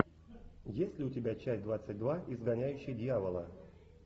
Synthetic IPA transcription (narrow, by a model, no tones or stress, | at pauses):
jesʲtʲlʲɪʊtʲɪbʲæt͡ɕæs̚ʲd̪vat̪sːət̚ʲd̪vaʔizɡanʲæjʉɕːɪjdʲɪjavəlˠə